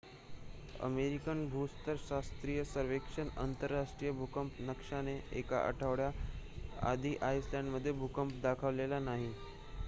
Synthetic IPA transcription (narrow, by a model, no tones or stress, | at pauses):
ə̰meɾikənbʱust̪əɾɕast̪ɾijəsəɾʋekʂənə̰nt̪əɾːaʂʈɾijəbʱukəmpnəkʂaneeka̰ʔə̰ʈʰəʋɽja | a̰d̪ʱiːʔajslãɳɖməd̪ʱːjebʱukəmpd̪akʰəʋlelanaɦi